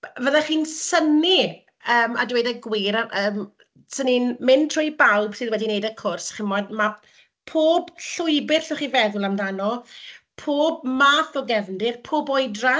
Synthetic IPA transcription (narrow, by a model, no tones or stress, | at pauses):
vəðaχiːnsəni | əːmadɪwejdaɡwiɾaəːm | səninmɪntʰrɔjbawbsɨðwɛdinejdəkʰʊrsχɪnmɔdma | pʰoːb̥ɬʊɨbɪrɬɛχiːvɛðʊlˠamdanɔ | pʰoːbmaːθɔɡɛvndɪrpʰoːbɔɨdra